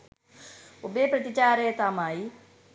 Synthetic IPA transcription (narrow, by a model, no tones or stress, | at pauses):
obeːpɾɐt̪it͡ʃaːɾeːt̪aːmaːi